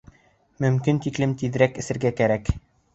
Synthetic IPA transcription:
mɵ̆mkint̪iklɘmt̪iðɾækɘ̆sɘ̆ɾɡækæɾæk

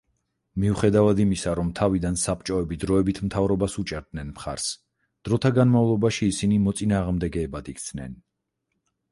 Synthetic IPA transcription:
miuχɛd̪avad̪imisaɾɔmt̪ʰavid̪ansapt͡ʃʼɔɛbid̪ɾɔɛbit̪ʰmt̪ʰavɾɔbasut͡ʃʼɛɾd̪nɛnmχa̰ɾs | d̪̥ɾɔt̪ʰaɡanmavlˠɔbaʃiːsinimɔt̪sʼinaːʁmd̪ɛɡɛːbad̪ikʰt̪sʰnɛ̰n

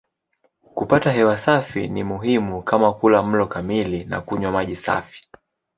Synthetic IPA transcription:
kupataɦɛwasafḭnimuɦimukamakulam̩lɔkamilina̰kuɲwamaʄisa̰fi̥

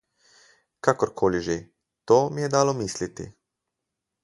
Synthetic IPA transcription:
kakoɾkʰoːliʒe | t̪oːmijɛd̪aːlomiːslit̪ḭ

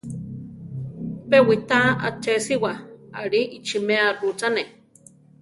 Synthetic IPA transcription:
pewit̪aa̰t͡ʃesiwaaɺiʔit͡ʃimearut͡sane

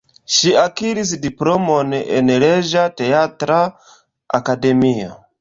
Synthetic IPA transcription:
ʃiakiɾis̬diplo̞mone̞̰nɾed͡ʒate̞atɾa | akade̞mio̰

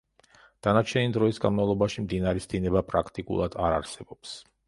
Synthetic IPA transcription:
d̪̥anat͡ʃʰɛnid̪ɾɔisɡa̰nmavlˠɔbaʃimd̪inaɾɛsd̪inɛbapʼɾakʰt̪ʼikʼṵlˠad̪̥aɾaɾsɛbɔps

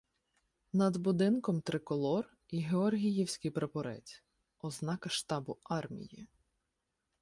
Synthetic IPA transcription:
nɐd̪bʊd̪ɪnkɔmt̪ɾɪkɔlˠɔr | iɦeɔrɦʲijiwsʲkɪjpɾepɔɾɛ̰t͡sʲ | ɔznɑkɐʃt̪ɑbʊɑrmʲḭjḭ

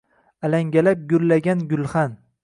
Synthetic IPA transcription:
alaŋɡʲalap̚ɡʊllːaɡʲanɡʊlˠχan

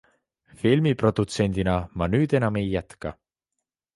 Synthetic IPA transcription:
filmipro̞d̪̥ut̪se̞nʲd̪̥inɑmɑnyːd̪̥e̞nɑme̞jːæt̪kɑ̰

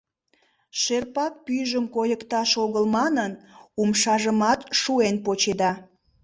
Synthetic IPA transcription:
ʃerpɑk̚pyʒəmkojəkt̪ɑʃoɣəlmɑnənumʃɑʒəmɑt̪ʃuenpot͡ɕed̪ɑ

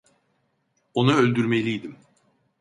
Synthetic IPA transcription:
o̞naølʲd̪yɾme̞lʲijd̪im

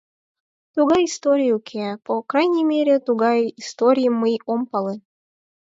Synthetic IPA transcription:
t̪uɣɑjist̪oɾʲijukʲʰepokɾajnʲimʲeɾʲet̪uɡɑjist̪oɾʲijmɨjompɑlˠɨ

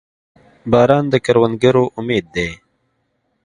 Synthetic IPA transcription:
bɑːɾɑːnd̪əkɐɾwənd̪̚ɡəɾoʔʊmeːd̪̚ːeː

